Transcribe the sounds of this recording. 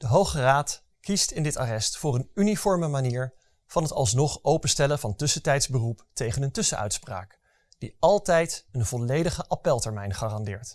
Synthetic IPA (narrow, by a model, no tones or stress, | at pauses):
d̥əɦowχəraːt | kistɪndɪtaːrɛstfʊːrənynifɔɹməmaniːɹ | v̥ɑnɦətɑ̰lˠs̬nɔχowpənstɛlənvɑntɵsətɛjtzbəruptejχənəntɵsəœ̰ɥtspra̰ːk | d̥iɑlˠtɛjtənvɔlejdəχəʔapɛlˠtɛɹmɛjnχaːrɑndɪ̰ːɹt